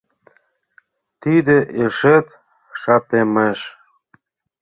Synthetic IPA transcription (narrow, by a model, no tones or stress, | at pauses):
t̪id̪ĕʔeʃet̪ | ʃɑpemeʃ